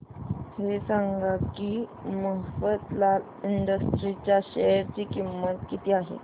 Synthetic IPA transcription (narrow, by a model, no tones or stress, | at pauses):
hesaŋɡʱakiːməɦfət̪la | iɳɖəsʈɾit͡ɕjaɕɛɾt͡ɕiːkimːət̪kit̪iːaɦḛ